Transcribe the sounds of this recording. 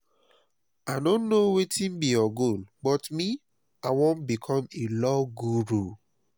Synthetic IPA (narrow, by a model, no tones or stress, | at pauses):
adõnːowetĩnbiɔɡonbɔtmi | awɔ̃nbikʰɔ̃melɔɡuɾu